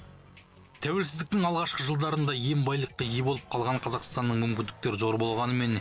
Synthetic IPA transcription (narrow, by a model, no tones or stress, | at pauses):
t̪ʰæwe̞lsɪzd̪ɪk̚t̪ɪŋɑlˠʁɑʃqəʒəlˠd̪ɑɾənd̪ɑje̞mbɑjlˠəqːəjebo̞lˠəp̚qʰɑlˠʁɑɴqʰɑzɑqst̪ɑnːəɴmʏmkʲɪnd̪ɪk̚t̪e̞ɾɪzo̞ɾbo̞lˠʁɑnəme̞n